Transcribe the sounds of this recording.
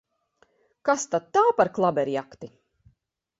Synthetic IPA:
kast̪at̪̚t̪aːpaɾklˠabɛɾjakt̪i

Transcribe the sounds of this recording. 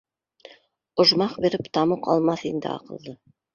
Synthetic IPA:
ŏʒmɑqbeɾɘpt̪ɑmɤqɑ̰lˠmɑθind̪ɘ̰ɑ̰qɤ̰̆lˠd̪ɤ

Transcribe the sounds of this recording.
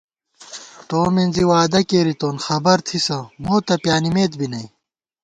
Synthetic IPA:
t̪oːminziwaːd̪ɐkeːɾit̪oːnxɐbɐɾt̪ʰisɐmoːt̪ɐpjaːnimeːt̪̚binɐj

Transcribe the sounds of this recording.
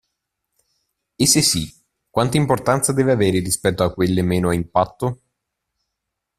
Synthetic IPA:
esːesːi | kːwant̪aimport̪ant̪sad̪ɛːveaveːɾerispɛt̪ːoakːwelːemɛːnoaimpat̪ːo

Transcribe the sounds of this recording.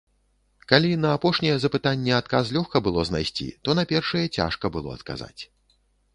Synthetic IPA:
kalʲinɐːpɔʂnʲɛjɛzɐpɨt̪anʲːɛat̪kas̬lʲɔxkɐbɨlˠɔzna̰jsʲt͡sʲḭt̪ɔnɐpʲɛrʂɐjɛt͡sʲa̰ʂkɐbɨlˠɔ̰ɐt̪ka̰za̰t͡sʲ

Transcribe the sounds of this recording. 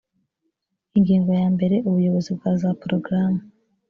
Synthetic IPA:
iŋɡiːŋɡo̞jaːmbe̞ɾe̞ʔuβujo̞βo̞zibɡaːzapɾo̞ɡɾaːmu

